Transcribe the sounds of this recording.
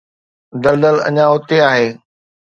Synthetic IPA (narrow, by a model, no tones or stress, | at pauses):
d̪ɐld̪əlɐ̰ɲãɦʊt̪eaːɦeː